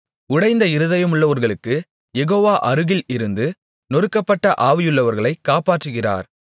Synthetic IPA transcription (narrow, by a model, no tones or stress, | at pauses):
ʊɽɐɪnd̪ɐɪɾɯðɐjɐmʊɭːɐʋɐɾɣɐɭɯkːɯ | jɛɣoːʋaːʔɐɾɯɣɪlɪɾɯnd̪ɯ | nɔɾɯkːɐpːɐʈːɐʔaːʋɪjɯɭːɐʋɐɾɣɐɭɐɪkːaːpaːʈrɯɣɪra̰ːɾ